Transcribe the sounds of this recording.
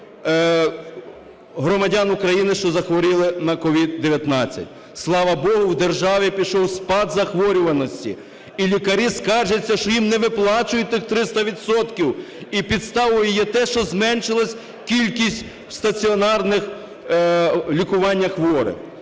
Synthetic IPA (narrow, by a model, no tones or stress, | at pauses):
ɦɾɔmɐdʲanʊkɾɐjinɪʃt͡ʃɔzɐxʋɔɾʲɪlˠɪnɐkɔʋʲid̪̚d̪eʋʲjɐt̪nɑt͡sʲːɐ̰tʲ | slˠɑʋɐbɔɦʊwd̪erʒɑʋʲipʲiʃɔwspɑd̪zɐxʋɔɾʲʊʋɐnɔsʲtʲḭ | ilʲikɐɾʲiskɑʒet͡sʲːɐʃt͡ʃɔjimnɛʋɪplˠɑt͡ʃʊjʊt̪ɪxt̪ɾɪst̪ɐʋʲid̪sɔt̪kʲiwipʲid̪st̪ɑʋʊjɪjɛt̪ɛʃt͡ʃɔzmɛnʃɪlˠɐsʲ | kʲilʲkʲisʲtʲ | wst̪ɐt͡sʲiɔnɑrnɪx | lʲikʊʋɑnʲːɐxʋɔɾɪ̰